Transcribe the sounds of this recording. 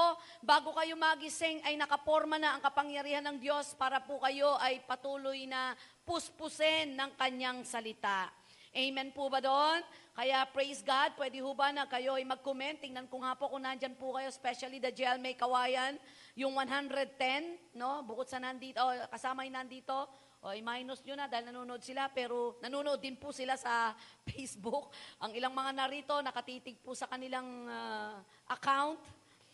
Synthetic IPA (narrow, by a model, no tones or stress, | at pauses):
baːɡokɐjomɐɡɪsɪŋɐjnɐkɐpoɾmɐnɐɐŋkɐpɐŋjɐɾiːhɐnːɐŋd̪jo̞spaːɾɐpʊkɐjo̞ʔɐjpɐt̪uːlʊjnɐpʊspʊsɛnːɐŋkɐɲaŋsɐlɪt̪aʔ | ʔɛjmɛnpubɐd̪oʔonkɐjaʔpɹejsɡad̪̚pwɛːd̪ɪhubanɐkɐjo̞ʔɐjmɐɡ̚kʊmɛnt̪ːɪŋnɐnkʊŋhaːpokʊŋnaʔnd͡ʒanpʊkɐjo̞spɛʃɐlid̪ɐd͡ʒɛlmɛjkɐwaːjɐn | jʊŋwanɦand̪ɾɛd̪̚t̪ɛnːo̞bʊkod̪̚sɐnand̪iːt̪okɐsaːmɐhɪnand̪iːt̪o̞ | ʔoʔɐjmajnʊsɲʊnɐd̪aːhɪlnɐnuːnoʔod̪sɪlapɛːɾo̞nɐnunoʔod̪ːɪnpʊsɪlasɐfɛjsbʊk̚ʔɐŋɪlaŋmɐŋanɐɾiːt̪o̞nɐkɐt̪iːt̪ɪɡ̚pʊsɐkɐnɪlaŋa | ʔɐkawnt̪